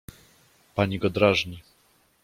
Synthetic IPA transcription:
paɲiɡɔd̪ɾaʐɲi

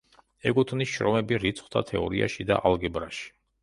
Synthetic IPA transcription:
ɛɡʼut̪ʰnisʃɾɔmɛbiɾit̪sʰʼχd̪ʰat̪ʰɛɔɾia̰ʃid̪aʔalɡɛbɾaʃi̥

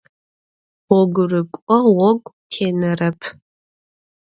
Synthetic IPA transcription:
ɔɡʷrɨkʷʼɔwɔɡʷʼtʰeːnɐrɐpʰ

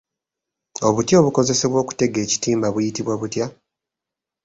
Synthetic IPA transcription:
o̞βutjo̞ːβuko̞ze̞se̞βwo̞ːku̥te̞ɡe̞ːci̥tiːmbaβujitiβwaβutja

